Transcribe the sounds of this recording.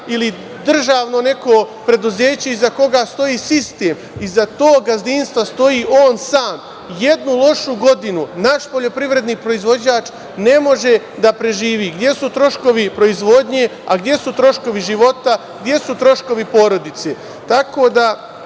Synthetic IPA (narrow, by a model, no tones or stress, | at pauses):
ili | d̪r̩ʒaːʋno̞ne̞koːpɾe̞d̪uze̞ːt͡ɕe̞izako̞ɡast̪o̞jiːsist̪eːm | izat̪oːɡazd̪inst̪ʋast̪o̞jiːʔoːnsaːm | jed̪nulˠo̞ʃuɡo̞d̪inunaʃpo̞ʎo̞pɾiʋɾe̞d̪niːpɾo̞izʋo̞d͡ʑaːt͡ʃ | ne̞mo̞ʒe̞ | d̪apɾe̞ʒiːʋiːɡd̪je̞sut̪ɾo̞ʃko̞ʋipɾo̞izʋo̞d̪ɲe̞aɡd̪je̞sut̪ɾo̞ʃko̞ʋiʒiʋo̞t̪a | ɡ̚d̪je̞sut̪ɾo̞ʃko̞ʋipo̞ːɾo̞d̪it̪seː | t̪ako̞ːd̪a